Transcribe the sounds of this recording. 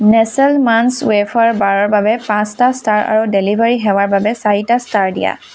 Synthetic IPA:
nɛsɛlmanswepʰaɹbaɹɔɹbabɛpãstastaɹa̰ɹudelibʱaɹiɦɛwaɹbabɛsaɹitastaɹdḭja̰

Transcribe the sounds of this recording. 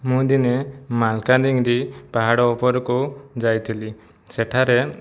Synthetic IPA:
mũd̪inemalkad̪iŋɾipaɦaɽɔːpɔɾɔkud͡ʒajt̪ʰili | sɛʈʰaɾe

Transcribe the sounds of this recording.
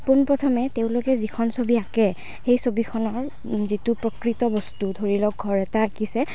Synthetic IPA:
punpɹɔtʰɔmɛteʊ̃lokɛzikʰɔnsobiakɛ | xejsobikʰɔnɔɹ | zitupɹɔkɹitɔbɔstudʱoɹilɔk̚ɡʱɔɹɛtakisɛ

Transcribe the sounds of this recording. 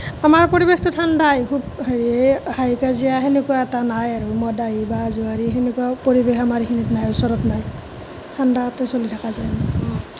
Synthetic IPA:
amaɹpoɹibextʊtʰandajkʰubɦeɹiehajkazijaɦenekuwaɛtanajaɹumɔdajibazuaɹiɦenekuapoɹibexamaɹixʰinitnajʊsɔɹɔtnaj | tʰandatɛsolitʰakazajna

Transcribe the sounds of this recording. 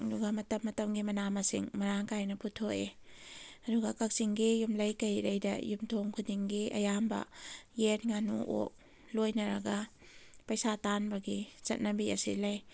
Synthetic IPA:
duɡɐmɐtɐmːɐtɐmɡimɐnamɐsḭŋmɐɾaŋkajnɐputʰoe | ɐduɡɐkɐk̚siŋɡijumlɐjkɐjɾɐjdɐ̰jumtʰoŋkʰudiŋɡiʔɐ̰jambɐ̰jet̚ŋanṵʔo̰k̚ | lojnɐɾɐɡɐ | pɐjsatanbɐɡizɐt̚nɐbiɐ̰sḭlɐj

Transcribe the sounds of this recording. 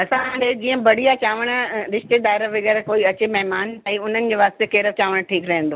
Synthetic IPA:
ɐsããːɳɖed͡ʑiːə̃bɐɽ̤ijat͡ɕaːʋəɽ̃əɾɪʃt̪ed̪aːɪɾəʋɪɡɛɾkoːiɐt͡ɕemɛɦmaːnaːiʊn̤ənɪ̆d͡ʑeːʋaːst̪ekeːɾət͡ɕaːʋəɽ̃ʈʰiːkɾɐɦẽn̆d̪oː

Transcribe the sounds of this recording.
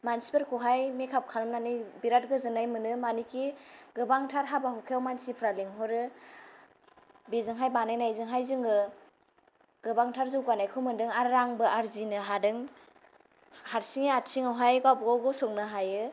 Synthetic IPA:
mansipeɾkʰuɦajmekʰap̚kʰalɯmnanijbiɾat̚ɡɯzɯnajmɯnɯmanikiɡɯbaŋtʰaɾɦabaɦukʰeawmansipʰɾaliŋɦɔɾɯ | bezɯŋɦajbanajnajzɯŋɦajzɯŋɯ | ɡ̥ɯbaŋtʰaɾzɯwɡanajkʰɯmɯndɯŋaɾːaŋbɯʔaɾzinɯɦadɯŋ | haɾsiŋeatsʰiŋawɦajɡawbɡawɡɯsɔŋnɯɦajɯ

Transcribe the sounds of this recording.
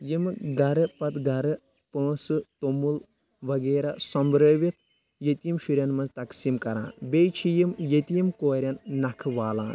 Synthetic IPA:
jimɨɡɐɾɨpɐt̪ɡɐɾɨ | pə̃ːsɨt̪omul | ʋɐɡeːɾɐsɐmbɾəːʋit̪ʰ | jɐt̪imʃuɾjɐnmɐnzt̪ɐksimkɐɾa̰ːnbejt͡ʃʰijimjɐt̪imkoːɾʲɐnːɐkʰɨʋaːla̰ːn

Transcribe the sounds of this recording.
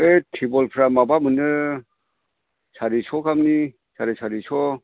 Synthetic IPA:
etʰibɔlpʰɾamabamɯnɯ | sʰaɾisʰɔkʰamni | sʰaɾisʰaɾisʰɔ

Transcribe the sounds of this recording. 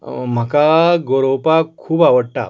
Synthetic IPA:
m̤akaɡoɾowpakʰuːbaʋəɽʈa̰

